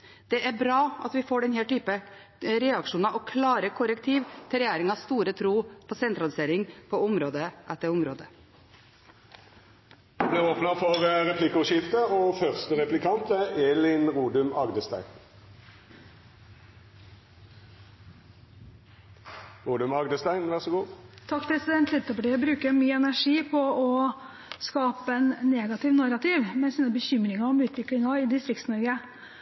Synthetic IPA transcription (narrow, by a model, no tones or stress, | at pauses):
d̪̥ɛʔæbɾɑːɑ̰t̪ʋɪfoːɖɛnheːʈyːpə | ɾɛɑkʂuːnɑʔokʰlɑːɾəkʰʊɾəkt̪ʰiːʋt̪ʰɪɾɛjæːɾɪŋɑst̪uːɾət̪ʰɾuːpʰoːsɛnt̪ɾɑlɪseːɾɪŋpʰoʊmɾoːd̪əʔæt̪ːəɾʊmɾoːd̪ə | d̪ɑbliːʁoːpnəfɔʁʁɛpʰlɪkʊʃɪft̪əoːfœʁst̪əʁɛplɪkʰɑnt̪əʔeːlɪnʁuːd̪ʉmɑɡd̪əst̪æɪɡ | ʁuːd̪ʉmɑɡd̪əst̪æɪnʋæʁsɔɡuːt̪ʰɑkːpʰɾɛsɪd̪ɛnt̪ʰlɛt̪ːəfɑɖɛjæbɾʉːkəɾmyːəɛnæʂiːpʰɔɔ | skɑːpəɛnːeːɡɑt̪ɪʋnɑɾɑt̪ʰɪʋmɛsiːnəbəçʏmɾɪŋɑɾɔmʉːt̪ʰʋɪklɪŋɑɪd̪ɪst̪ɾɪkt̪snɔɾɡə